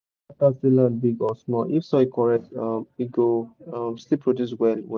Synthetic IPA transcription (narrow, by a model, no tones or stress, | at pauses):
tastilãn̚biɡɔsmɔlʔifsɔikʰɔɹɛk̚tʌ̃miɡoʌ̃mslipʰɹodjus̬wɛlw